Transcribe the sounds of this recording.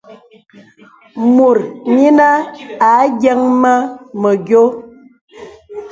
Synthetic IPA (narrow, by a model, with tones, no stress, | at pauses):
mu˨ɾɲi˦na˦a˨˦ɡjɛ˦ŋma˦mə˨ɡjo˦